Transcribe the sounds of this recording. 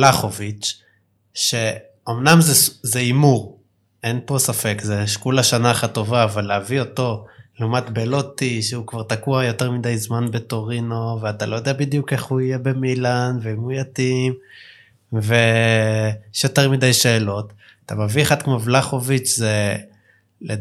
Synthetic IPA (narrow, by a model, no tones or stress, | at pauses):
laχovit͡ʃ | ʃe̞ | omnamzezeimuʁ | enpo̞safe̞kzeʃkulaʃanaχat̪o̞vaːvalːeavio̞to̞leumatbelo̞t̪iʃeukvaʁt̪akuajo̞teʁmidajzmanbe̞to̞ʁino̞veat̪alʔojo̞d̪ɛabid̪jukeχuije̞be̞milanveimujatim | ve | jeʃjo̞teʁmidajʃe̞ːlo̞t̪ | at̪ameviaχadkmovlaχovit͡ʃze | le